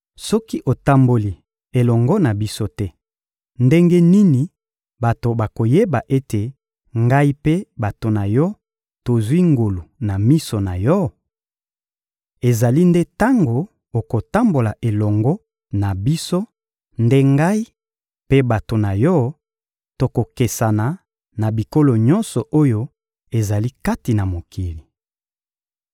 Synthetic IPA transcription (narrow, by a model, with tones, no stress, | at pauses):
sɔ˦ki˦ʔo˨ta˦mbo˨li˨ | e˨lɔ˨ŋɡɔ˦na˨bi˦so˦tɛ˦ | nde˦ŋɡe˦ni˦ni˨ | ba˨to˨ba˨ko˨je˦ba˨ʔe˦te˨ | ŋɡa˦i˦pe˦ba˨to˨na˨jɔ˦ | to˨zwi˦ŋɡo˨lu˨na˨mi˦so˨na˨jɔ˦ | e˨za˨li˦nde˦ta˦ŋɡo˨ | o˨ko˨ta˦mbo˨la˨ʔe˨lɔ˨ŋɡɔ˦ | na˨bi˦so˦ | nde˦ŋɡa˦i˦ | pe˦ba˨to˨na˨jɔ˦ | to˨ko˨ke˨sa˨na˨ | na˨bi˨ko˦lo˨ɲɔ˦nsɔ˨ʔo˦jo˦ | e˨za˨li˦ka˦ti˨na˨mo˨ki˨li˨